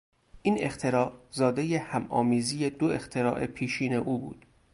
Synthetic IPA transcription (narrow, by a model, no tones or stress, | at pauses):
ʔiːne̞χt̪ʰe̞ɾɒːzɒːd̪e̞jehæmʔɒ̰ːmiːzijed̪oe̞χt̪ʰe̞ɾɒ̰ːʔe̞̰pʰiːʃiːne̞ʔuːbṵːd̪̥